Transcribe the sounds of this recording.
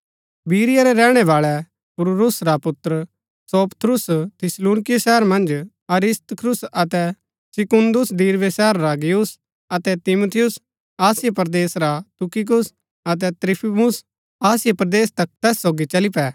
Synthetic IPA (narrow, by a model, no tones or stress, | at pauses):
biːɾɪjaɾɛɾɛːɽ̃ɛʋaːɭɛ | pʊɾuɾʊsɾapʊt̪ːɾ | soːpə̥t̪ʰɾʊst̪ʰɪsluːnɪkɪjsɛɦəɾmɐ̃nd͡ʒ | ɐɾɪst̪əkʰɾʊsɐt̪ɛ | sɪkʊnd̪ʊsd̪iːɾʋesɛɦəɾːaɡɪjus | ɐt̪ɛt̪ɪmut̪ʰɪjʊs | aːsɪjepɐɾd̪eːsɾat̪ʊkɪk̬ʊs | ɐt̪̬ɛt̪ɾipʰimʊs | aːsɪjepɐɾɐd̪eːst̪ɐk̚t̪ɛːsːoːɡit͡ʃɐlipɛː